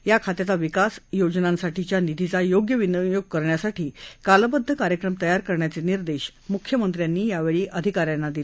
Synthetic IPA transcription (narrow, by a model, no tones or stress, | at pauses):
jakʰat̪jat͡saʋikasjod͡ʑnãnsaʈit͡ɕjanid̪ʱit͡sajoɡjəʋinjoɡ̚kəɾɳjasaʈʰiːkaləbəd̪ʱːəkaɾjəkɾəmt̪əjaɾkəɾɳjat͡seniɾd̪eɕ | mukʰjəmənt̪ɾjanːiːjaʋeɭiːʔəd̪ʱikaɾjanːad̪i